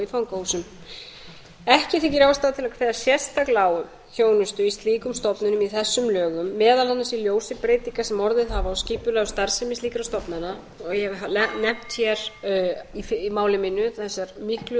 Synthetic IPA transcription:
ifawŋkːusʏm | ɛhcɪθɪcɪɾawst̪aːðt̪ʰɪlakʰveːðasjɛst̪aklaːwʏm | çoːwnʏst̪ʏist̪liːkʏmst̪ɔpnʏnʏmiθɛsːʏmlœːɣʏmːɛːðalanːasiljoːwsɪpɾeːjt̪iŋkasɛmɔɾðɪðhavaɔwsciːpʏlɛɣʏst̪aɾ̥sɪmɪsliːkɾawst̪ɔpnana | hɛvɪalɛnɛm̥t̪çɛɾ | ifmaːwlɪmɪnːʏθɛsːaɾmɪhklʏ

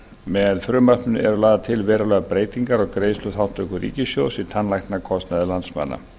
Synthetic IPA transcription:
mɛðfɾʏːmapnɪnɛɾʏlaːðat̪ʰɪlvɛːɾalɛɣapɾeːjt̪iŋkaɾɔɣkɾeːjslʏθawn̥t̪œkʏɾḭːcɪsjowsit̪ʰanlajxt̪nakʰɔst̪naðɪlant̪sma̰nːa̰

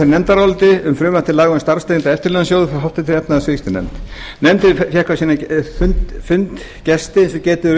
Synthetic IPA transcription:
eɾnɛmt̪aɾɔlt̪ɪʏmfɾʏːmaht̪ɪlaːɣanst̪aɾst̪ent̪aɛft̪ɪɾlɛnasjoːwðʏfɦaft̪ɪt̪ʰɪlɛpnaðsvest̪ɪnɛ̰mt̪ | nɛmt̪ɪfjɛhkvasiːnafʏnt̪fʏnt̪ | cɛst̪ɪɛnsɔcɛːt̪ʏ

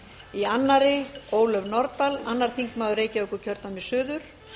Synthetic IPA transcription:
ianːaɾɪoːwlœvnɔɾt̪alanːaɾ̥θiŋkmaːðʏɾeːjcaœhkʏɾcʰœɾt̪nanmɪsʏːðʏɾ̥

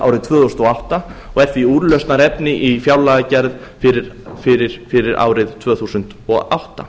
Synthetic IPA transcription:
a̰wɾɪðt̪ʰvœːθusnɔawht̪aɔɣɛɾ̥θviuːɾlœɥst̪naɾɛpnɪʔifjawlaːɣacɛɾð | fɪɾɪ | fɪɾɪɾ̥fɪɾɪɾa̰ːwɾɪðt̪ʰv̥œːθuːsʏnt̪ɔɣa̰wht̪a̰

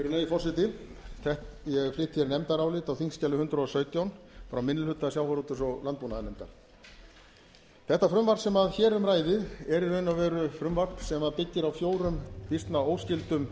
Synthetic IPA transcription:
ɛɾʏneːjɪfɔsɪt̪ɪθɛht̪jɛflɪht̪çɛɾnɛmt̪aɾawlɪːt̪awθiŋscɛlʏhʏnt̪ɾʏɔsœːɥt̪jawnfɾawmɪnːɪlʏt̪ːaðsjawvaɾot̪ʏsɔɣlant̪̚punaðɪnɛmt̪a̰ɾ̥ | θɛht̪ːafɾʏmvaɾsɛmaðçɛːɾʏmraːjðɪðɛɾɪœɥnavɛːɾʏfɾʏmvarpsɛmaðpɪcːɪɾawfjoːwɾʏmpist̪naowscɪlt̪ʏm

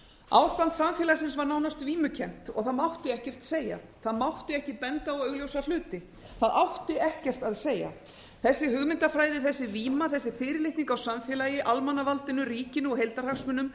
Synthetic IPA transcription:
a̰wst̪ant̪samfjɛlaɾsɪns̬vaɾnawnast̪viːmʏcʰɛm̥t̪ɔ̰ɣθaðmawht̪ɪɛhcɛr̥t̪seːja̰θaðmawht̪ɪɛhcɪpɛnt̪aɔɣœɣljowsalʏːt̪ɪ | θaðawht̪ɪɛhcɛr̥t̪aðseːja̰ | θɛsːɪhʏɣmɪnt̪afɾaːjðɪθɛsːɪviːmaθɛsːɪfɪːɾɪlɪht̪niŋkawsamfjɛːlajɪʔalmanːavalt̪ɪnːʏriːcɪnɔɦejlt̪ar̥aksmʏnʏm

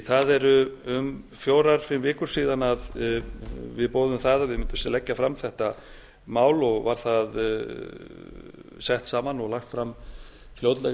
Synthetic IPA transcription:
θaðɛɾʏʏmfjoːwɾaɾ̥fɪmvɪːkʏɾ̥siːðanað | vɪðpoːwðʏmθaðavɪmʏnt̪ʏmsalɛcːafɾamθɛht̪a | maːwlɔɣvaɾ̥θað | sɛht̪saːmanɔɣlaxt̪fɾam | fljowt̪lɛ

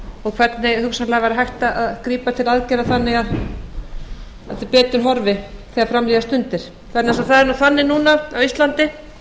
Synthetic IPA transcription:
ɔɣkʰvɛɾt̪nɪɣhʏksanlɛːɣavaɾaɦajht̪aaðkɾiːpat̪ʰɪlaðcɛɾaθanːɪɣað | at̪ɪpɛːt̪ʏnɦɔɾvɪθiaɾfɾamliðast̪ʏnt̪ɪɾ̥ | θɛnːasaθaðɛɾnuθanːɪnuːnaawist̪lant̪ɪ

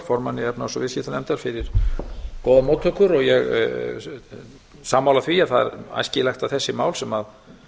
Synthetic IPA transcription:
fɔɾmanːɪɛpnasɔvɪscɪt̪anɛmt̪aɾ̥fɪɾɪɾ̥koːwðamoːt̪ʰːœkʏɾɔɣjɛɣ | saːmːawlaθviaðθaðɛ̰ɾa̰jscɪlajxt̪aθɛsːɪmaːwlsɛmað

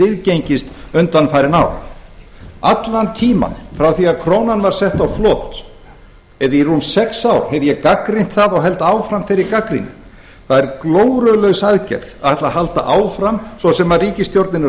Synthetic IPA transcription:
ɪðcejɲcɪst̪ʏnt̪anfajɾɪna̰w | at̪lant̪ʰiːma̰nfɾawθiaðkʰɾoːwnanvaɾ̥sɛht̪awflɔːt̪ | ɛðirunsɛksawɾhɛvjɛkakɾin̥t̪θaðɔɣɦɛl̪t̪aːwfɾamfɪjɾɪɾkakɾḭnɪ̰ | θaðɛɾkloːwɾœlœɥɣsaðcɛ̰ɾ̥ðaðɛht̪lahalt̪a̰ʔaːwfɾamsvɔsɛmaðriːcɪst̪jowɾt̪nɪnɪ

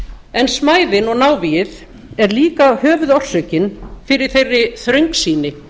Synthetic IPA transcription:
ɛnsmaːjðɪnɔɣnaːwvijɪð | ɛɾliːkahœːvʏðɔr̥sœɥcɪnfɪɾɪɾ̥θejrːɪθɾœɥŋksiːnɪ

